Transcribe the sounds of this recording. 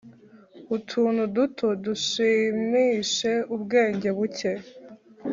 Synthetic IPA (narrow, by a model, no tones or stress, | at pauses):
kutʰuːnudutʰoduʃiːmiːʃe̞ubɡe̞ːɲɟe̞βuce̞